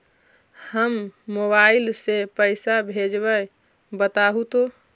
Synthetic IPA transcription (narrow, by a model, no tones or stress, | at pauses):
həmːoβaɪlsepəɪsabʱed͡ʒbə | bət̪aɦut̪o